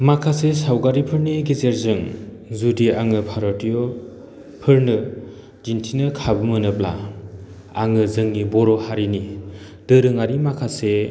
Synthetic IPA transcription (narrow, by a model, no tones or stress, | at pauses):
makʰasesawɡaɾipʰɯɾniɡizeɾzɯŋzudiaŋɯpʰaɾɔtijɔ | pʰɯɾnɯ | d͡ʒintʰinɯkʰabɯmɯnɯp̚la̰ | aŋɯzɯŋnibɔɾɔhaɾini | d̥ɯɾɯŋaɾimakʰase